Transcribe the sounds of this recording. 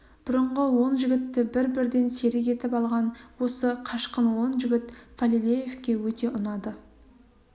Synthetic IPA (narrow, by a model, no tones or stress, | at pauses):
b̥ʊɾəɴʁəwo̞nʒɪɡʲɪt̪ːɪbɪɾbɪɾd̪e̞nse̞ɾɪk̬ʲe̞t̪ɪpɑlˠʁɑnwo̞səqʰɑʃqənwo̞nʒɪɡʲɪt̪falʲilʲejevkʲe̞wɵt̪e̞ʔʊnɑd̪ə